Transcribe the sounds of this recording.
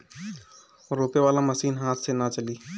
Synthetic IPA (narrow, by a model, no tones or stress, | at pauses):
ɾoːpeʋaːlamɐsiːnɦaːt̪ʰsenat͡ʃəliː